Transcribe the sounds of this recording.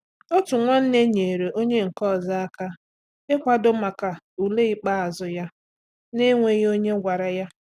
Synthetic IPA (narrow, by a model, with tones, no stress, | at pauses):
o˦tu˨ŋʷɔ˦n̩˦ne˦ɲe˨ɾe˨ʔo˦ɲe˦ŋ̩˨kɔ˦˨za˦a˦ka˦ | ɪ˦kʷa˨do˦ma˨ka˨ | u˨le˦i˦k͡pa˦a˨zʊ˨ja˦ | ne˦ŋʷe˨jo˦ɲe˦ɡʷa˨ɾa˨ja˦